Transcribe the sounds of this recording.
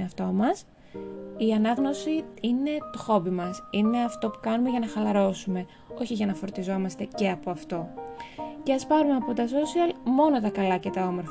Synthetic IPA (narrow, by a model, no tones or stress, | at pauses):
ɐft̪o̞mɐs | iɐnɐɣno̞siine̞t̪oxo̞bimɐsine̞ɐft̪o̞pu̥kɐnume̞ʝɐnɐxɐlɐɾo̞sume̞ | o̞çiʝɐnɐfo̞ɾt̪izo̞mɐst̪e̞ce̞ɐpo̞ɐft̪o̞ | ce̞ɐspɐɾumeɐpo̞t̪ɐs̬o̞siɐlmo̞no̞t̪ɐkɐlɐce̞t̪ɐo̞mo̞ɾfɐ